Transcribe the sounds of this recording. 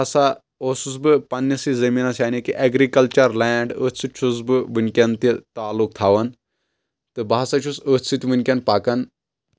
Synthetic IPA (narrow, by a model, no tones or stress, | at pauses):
sa | osusbɨpɐnːɐsizɐmiːnasjaːnikiʔeɡɾikɐlt͡ʃɐɾlɛːɳɖəːt̪sʰɨt͡ʃʰus̬bɨʋɨnʲkʲɐnt̪it̪aːlːuk̚t̪ʰaːʋɐn | t̪ɨbaːsat͡ʃʰusət̪t͡sʰɨt̪ʲʋɨnkʲɐnpaːkɐn